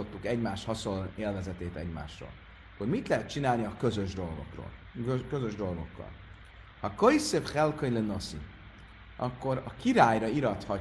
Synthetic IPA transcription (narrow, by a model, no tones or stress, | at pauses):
o̞t̪ːukɛɟmaːʃt̪hɒsoleːlvɛzɛt̪eːt̪ɛɟma̰ːʃt̪ro̰ːl | ɒkːormit̪lɛɦɛt̪̚t͡ʃinaːlniɒkø̞zøʒd̪o̞lɡo̞̰kro̰ːl | økøzø̞ʒd̪o̞lɡo̞kːɒ̰l | hɒkoisefχɛlkøɲleno̞sḭ | ɒkːo̞ɾɒkiɾaːjrɒiɾɒt̪hɒ